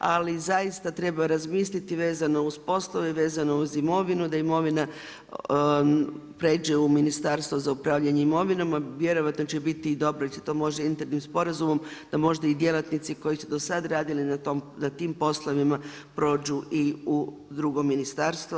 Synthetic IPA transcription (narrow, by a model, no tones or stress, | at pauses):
alizajist̪at̪ɾe̞baɾazmiːslit̪iʋe̞ːzano̞uspo̞slˠoʋeʋe̞ːzano̞uzimo̞ʋinud̪aimo̞ʋina | pɾe̞ːd͡ʒeuminist̪aɾst̪ʋozaupɾaːʋʎaɲeimo̞ʋinomaʋje̞ɾo̞ʋat̪no̞t͡ɕebit̪id̪o̞bɾoiset̪o̞ːmo̞ʒd̪aint̪eɾnimspo̞ɾazumo̞md̪̥amo̞ʒd̪aid̪je̞lˠat̪nit̪siko̞jisud̪o̞sad̪ɾaːd̪ilinaomnat̪iːmpo̞slˠoʋima | pɾo̞ːd͡ʒuʔiud̪ɾuɡo̞mːinist̪aːɾst̪ʋo